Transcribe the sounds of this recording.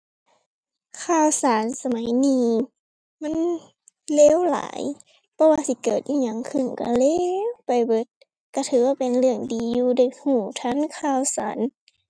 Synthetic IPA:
kʰaː˧˨wsaː˨˦nsa˧ma˨˦jniː˧˩ | ma˧˥˨n | leː˧˥˨wla̰ː˨˦j | pʰɔ˧˦waː˧si˧˦kɤː˨˩t̪̚ʔiː˧ɲa˧˦ŋkʰɯ˧˩˨nka̰˧˩leː˧˥pa˨jbɤ˧˦t̪̚ | ka˧˩t̪ʰɯː˨˦waː˧˨pe˨nlɯ˧˩əŋdiː˨˦juː˧da˧˩jhuː˧˩t̪ʰa˧˥˨nkʰaː˧˨wsaː˨˦n

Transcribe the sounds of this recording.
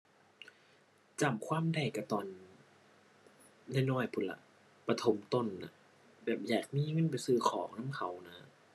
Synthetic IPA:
t͡ɕa˨˩mkʰwaː˧˥˨mda˧˩jka˧˩t̪ɔː˨˩n | na˧˥˨jnɔː˧˥˩jpʰu˧˩la̰˧˦ʔ | pa˧t̪ʰo˨˦mt̪o˧˩nːa̰˧ | bɛː˨˩p̚jaː˨˩k̚miː˧˥˨ŋɤ˧˥˨np̬a˨jsɯː˧˩kʰɔː˨˩˦ŋnaː˧˥˨mkʰa˨˦wna˧˥

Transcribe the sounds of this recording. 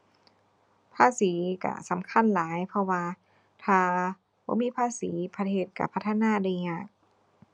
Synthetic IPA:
pʰaː˧˥˨siː˩˦ka̰˧˩sa˨˦mkʰa˧˥˨nlaː˨˦jpʰɔ˧waː˧ | t̪ʰaː˧˩ | bɔ̰ː˧˦miː˧˥˨pʰaː˧˥˨siː˩˦pʰa˧t̪ʰeː˧˩t̪̚ka̰˧˩pʰa˦˥t̪ʰːa˧naː˧˥˨daː˧˩˨ɲaː˧˩ŋ̚

